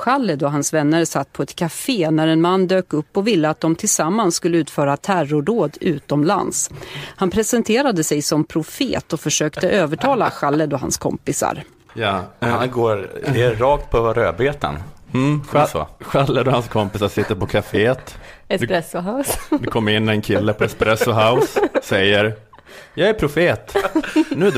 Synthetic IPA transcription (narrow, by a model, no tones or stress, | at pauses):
ɧalːəd̪ɔɦansvɛnːəɾsat̪ːpʰɔɛt̪kʰafeːnæɾɛnmanːd̪øːkɵpːɔvɪlːəat̪̚d̪ɔmt̪ʰɪlsamːansskɵlːəʉ̟ːt̪fœːɾat̪ʰærʊɖoːd̪ʉ̟ːt̪ɔmla̰nshanpʰɾɛsɛnt̪ʰeːɾad̪əsɛjsɔmpʰɾʊfḛːt̪ɔfœʂøːkt̪əʔøːvəʈʰɑːla̰ɧalːəd̪ɔɦa̰nskʰɔ̰mpɪsa̰ɾ | jaanɡoːɾɛɾɑːk̚t̪̚pʰɔvaɾø̰ːbeːt̪ə̰n̩ | sɔ̰ɧalːəd̪ɔhanskʰɔmpɪsaʂɪt̪ːəɾpɔkʰafeːt̪ɛd̪ɾɛsʊɦaʊsd̪ɵkʰɔmːəɾɪnːɛnkʰɪlːəpʰɔɛspɾɛsɔɦaʊsːɛjːəɾ | jɑːɡæɾpʰɾʊfeːt̪nʉː